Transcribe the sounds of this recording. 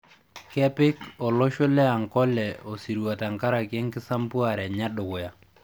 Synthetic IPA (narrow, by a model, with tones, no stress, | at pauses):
kɛ˦pɪ˦kɔ˨lo˦ʃʊ˦lɛ˦a˨ŋkɔ˦lɛ˨o˨si˨ɾwa˨ta˨ŋka˦ɾa˨kjɛ˦ŋkɪ˦sa˦mpu˦a˨ɾɛ˨ɲa˦ɗʊ˨kʊ˨ja˨